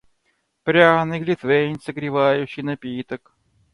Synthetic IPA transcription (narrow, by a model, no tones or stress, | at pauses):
pɾʲanɨɡlʲɪt̪venʲsəɡɾʲɪvajʉɕːɪjnɐpʲit̪ək